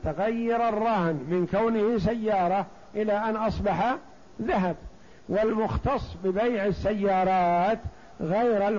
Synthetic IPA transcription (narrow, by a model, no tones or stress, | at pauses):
t̪aɣajːɑɾˤɑrˤːɑhnmɪnkawnɪhɪsajːɑːɾˤɑ | ʔɪlaʔanʔɑsˤbɑħa | ðaɦab̚ | wɪlmʊxt̪ɑsˤːbɪbajʕɪsːajːɑːɾˤɑːt̪ | ɣajɾal